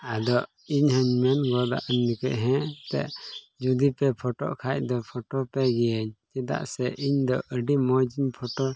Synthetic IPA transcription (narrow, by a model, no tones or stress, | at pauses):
ad̪ɔʔ | iɲhəɲmɛnɡɔd̪a̰ʔənmikɛʔɦɛ̃t̪ɛ̰ʔ | d͡ʒud̪ipɛpʰɔʈɔ̰ʔkʰac̚d̪ɔpʰɔʈɔpɛɡɛjəɲt͡ʃɛd̪a̰ʔsɛʔiɲd̪ɔʔəɖimɔd͡ʒiɲpʰɔʈɔ